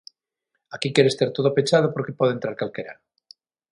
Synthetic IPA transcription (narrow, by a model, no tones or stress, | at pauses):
akikjeɾest̪aɾt̪oðopet͡ʃað̞opoɾkepoðent̪ɾaɾkalkeɾa̰ɾ